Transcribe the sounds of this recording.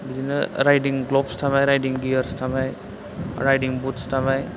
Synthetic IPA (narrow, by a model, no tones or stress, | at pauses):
bizinɯ̰ɾajdiŋɡlɔpstʰamajɾajdiŋɡiəɾstʰamaj | ɾajdiŋbutstʰamaj